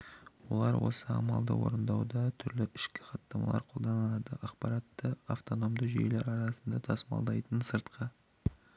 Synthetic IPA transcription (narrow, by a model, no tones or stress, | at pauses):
wo̞̰lˠɑɾwo̞̰səɑ̰mɑlˠd̪ə̰wo̞̰ɾənd̪ɑwd̪ɑt̪ʰʏɾlɪɪʃkʲɪ̥χɑt̪nːɑmɑ̰lˠɑ̰ɾqʰo̞lˠd̪ɑnəlˠɑd̪əʔɑqpɑɾɑt̪ːəaft̪o̞no̞md̪əʒḛjleɾɑɾɑsənd̪ɑt̪ʰɑsəmɑ̰lˠd̪ɑjt̪ənsəɾt̪qʰə